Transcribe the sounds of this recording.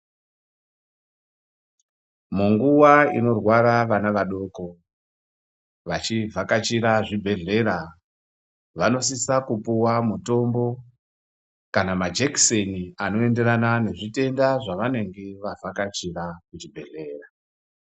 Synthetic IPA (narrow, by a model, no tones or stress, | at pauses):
muŋɡuwaḭno̞rwaɾaʋanaʋaɗo̞ko̞ | ʋat͡ʃivʱakat͡ʃiɾaʐibʱe̞ɮe̞ɾa | ʋano̞s̬isakupuwamuto̞mbo̞ | kanamad͡ʒekseniano̞e̞nde̞ɾanane̞ʐite̞ndaʐaʋane̞ŋɡe̞ʋavʱakat͡ʃiɾakut͡ʃibʱe̞ɮe̞ːra